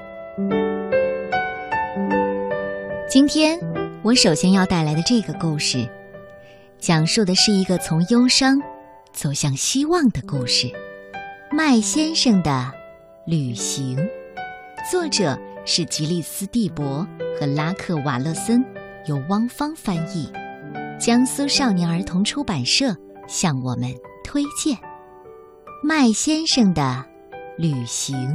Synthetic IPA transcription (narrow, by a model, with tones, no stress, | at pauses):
t͡ɕi˥nt̪ʰjɛ˥nwɔ˧˥ʂo˨˩ʊɕjɛ˥njɑ˥˧ʊt̪a˥˩ɪla˧˥ɪd̪ə˧ʈ͡ʂɤ˥˩ɡə˩ku˥˧ʂɻ̩˥˩ | ɕjɑ˨˩ŋʂu˥˩d̪ə˩ʂɻ̩˥˩i˧˥ɡə˧t͡sʰʊ˧˥ŋjo˥ʊʂɑ˥ŋ | t͡so˨˩ʊɕjɑ˥˩ŋɕi˥wɑ˥˩ŋd̪ə˩ku˥˧ʂɻ̩˥˩ | ma˥˩ɪɕjɛ˥nʂɤ˥˩ŋd̪ə˩ | ly˨˩ɕi˧˥ŋ | t͡swɔ˥˩ʈ͡ʂɤ˨˩˦ʂɻ̩˥˩t͡ɕi˧˥li˥˩sɹ̩˥t̪i˥˩pwɔ˧˥xɤ˧˥la˥kʰɤ˥˩wa̰˨˩lɤ˥˩sə˥n | jo˨˧˩ʊwɑ˥ŋfɑ˥ŋfa˥ni˥˩t͡ɕjɑ˥ŋsu˥ʂɑ˥˩ʊnjɛ˧˥ŋə˞˧˥t̪ʰʊ˧˥ŋʈ͡ʂʰu˥pa˨˩nʂɤ˥˩ | ɕjɑ˥˩ŋwɔ˨˩mə˦nt̪ʰwe˥ɪt͡ɕjɛ˥˩n | ma˥˩ɪɕjɛ˥nʂɤ˥˩ŋd̪ə˩ | ly˨˩ɕi˧˥ŋ